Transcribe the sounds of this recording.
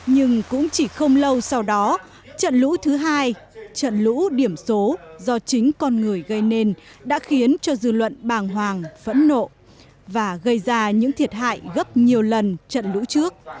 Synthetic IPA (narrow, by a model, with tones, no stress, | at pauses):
ɲɨ˧ŋkʊ̰˧˥ŋ͡mt͡ɕi˧˩xə˧wŋ͡mlə˧wsa˧wɗɔ˨˦ | t͡ɕə̰˧˨nlṵ˧˥t̪ʰɨ˨˦ɦaː˧jt͡ɕə̰˧˨nlṵ˧˥ɗi˧˩əmso˨˦zɔ˧t͡ɕï˨˦ŋ̟kɔ˧nŋɨ˨˩əjɣə˧jne˧nɗa̰ː˧˥xi˨˦ənt͡ɕɔ˧zɨ˧lwə̰˧˨nɓaː˨˩ŋɦwaː˨˩ŋv̥ə̰˧˥nːo̰˧˨ | vaː˨˩ɣə˧jzaː˧ɲɨ̰˧˥ŋt̪ʰi˨˩ət̚ha̰ː˧˨jɣə˦˥p̚ɲi˨˩əwlə˨˩nt͡ɕə̰˧˨nlṵ˧˥t͡ɕɨ˦˥ək̚